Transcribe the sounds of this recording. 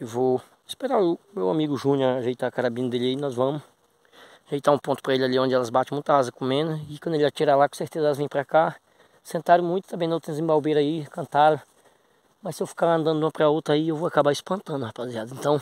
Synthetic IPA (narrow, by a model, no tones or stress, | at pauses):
ewvow | i̥speɾaɾʊmewamiɡʊʒũɲɐʒejt̪akaɾabĩnɐd̪elainɔzvɐ̃mʊ | ʒejt̪aũpõnt̪ʊ̥pɾɐelɪaliõnd͡ʒɪɛlɐzbat͡ʃẽmũj̃t̪ɐhazɐkõmẽnɐɪkw̃d̪elɪat͡ʃiɾalakõseɾt̪ezɐɛlɐzvẽj̃pɾɐka | sẽnt̪aɾɐ̃mũj̃t̪t̪ɐ̃bẽnõwt̪ẽɲ̃ʊzẽbawbejɾɐaikɐ̃nt̪aɾɐ̃ | mɐsɪewfi̥kaɾɐ̃nd̪ɐ̃nd̪ʊũmɐpɾɐowt̪ɾɐaiewvoakabaɪspɐ̃nt̪ɐ̃nd̪ʊhapaziad̪ʊẽnt̪ɐ̃w̃